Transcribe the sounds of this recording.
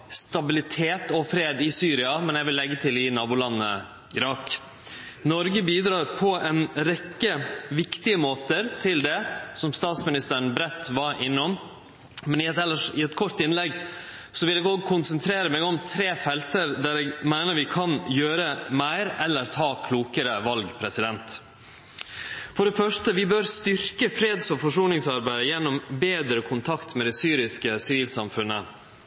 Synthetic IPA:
st̪ɑbɪlɪt̪ʰeːt̪ɔfɾeːd̪ɪsyːɾɪɑmɛnjɛʋɪlːɛɡːət̪ʰɪlɪnɑːbʊlɑnːə̰ | ɪɾɑk | nɔɾɡəbiːd̪ɾɑːɾpʰɔʔɛnɾɛkːəʋɪkt̪ɪəmoːt̪əɾt̪ʰɪld̪ɛsɔmst̪ɑːt̪smɪnɪst̪əɾɳ̩bɾɛt̪ːʋɑɾʔɪnːɔm | mɛnɪɛlːəɪɛt̪kʰɔɾt̪ɪnlɛɡ | sɔʋɪlɛːɡoːɡkʰʊnsənt̪ʰɾeːɾəmɛːɡɔmt̪ʰɾeːfɛlt̪əɾd̪æɾɛːɡmæɪnəɾʋɪkʰɑnjøːɾəmæɪɾɛlːəɾt̪ʰɑːkʰluːkəɾəʋɑlɡpʰɾɛsɪd̪ɛnt̪ | fɔɖɛfœʂʈəʋɪbøɾst̪ʏɾkəfɾeːd̪sɔfɔʂuːlnɪŋsɑɾbæɪd̪əjɛnːɔmbeːd̪ɾəkʰʊnt̪ʰɑkt̪mɛd̪ɛsyːɾɪskəsɪʋiːlsɑmfʉnːə

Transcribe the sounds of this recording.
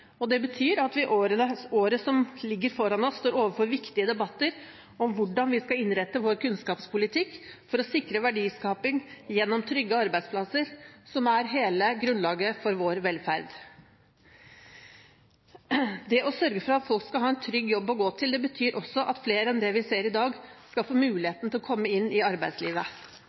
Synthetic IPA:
ɔd̪ɛbət̪ʰyːɾɑt̪ʋɪʔoːɾəəoːɾəsɔmlɪɡːəɾfɔɾɑnɔst̪oːɾoːʋəɾfɔɾʋɪkt̪ɪəd̪ɛbɑt̪ːəɾ | ɔmʋʊɖɑnʋɪskɑɪnɾɛt̪ːəʋoːɾkʰʉnskɑːpspʰʊlɪt̪ʰɪkːfɔɾɔsɪkɾəʋæɖiːskɑːpɪŋjɛnːɔmt̪ʰɾʏɡːəɑɾbæɪd̪spʰlɑsəɾsɔmæɾɦeːləɡɾʉnlɑːɡəfɔɾʋoːɾʋɛlfæɾd̪ | d̪ɛʔɔsœɾɡəfɾɑɑt̪fɔlkskɑlɦɑːɛnt̪ʰɾʏɡːjɔbːɔɡoːt̪ʰɪld̪ɛbət̪ʰyːɾʔɔsːɔʔɑt̪fleːɾəɛnd̪ɛʋɪseːɾɪd̪ɑːɡskɑlfoːmʉːlɪheːt̪n̩t̪ʰɪɔkʰɔmːəɪnːɪɑɾbæɪd̪sliːʋə

